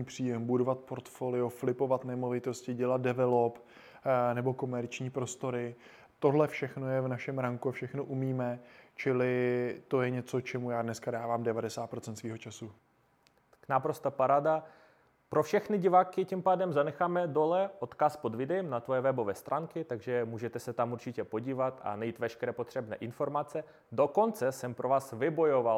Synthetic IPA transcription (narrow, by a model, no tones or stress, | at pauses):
iːpr̝̥iːjɛmbudo̞vat̪̚po̞ɾt̪foːlɪoflɪpo̞vat̪nɛmovɪt̪o̞scɪɟɛlat̪̚dɛvɛlo̞p | nɛbo̞ko̞mɛɾt͡ʃɲiːpɾo̞st̪o̞ɾɪ | t̪o̞ɦlɛfʃɛxno̞jɛvnaʃɛmɾaŋkuafʃɛxno̞ʔumiːmɛt͡ʃɪlɪt̪o̞jɛɲɛt͡so̞t͡ʃɛmujaːdnɛskadaːvaːmdɛvadɛsaːt̪̚pɾo̞t͡sɛnt̪sviːɦo̞t͡ʃasu | knapɾo̞st̪apaɾada | pɾofʃɛxnɪɟɪvaːkɪcɪmpaːdɛmzanɛxaːmɛdo̞lɛʔo̞t̪kaspo̞d̪vɪdɛjɛmnat̪vojɛvɛbo̞vɛːst̪ɾʔaːŋkɪt̪aɡʒɛmuːʒɛt̪ɛsɛt̪amuɾt͡ʃɪcɛpo̞ɟiːvat̪a̰najiːt̪vɛʃkɛɾɛːpo̞t̪r̥ɛbnɛ̰ːʔɪnfo̞ɾmat͡sɛ | do̞ko̞nt͡sɛsɛmpɾʔo̞vaːsvɪbo̞jo̞val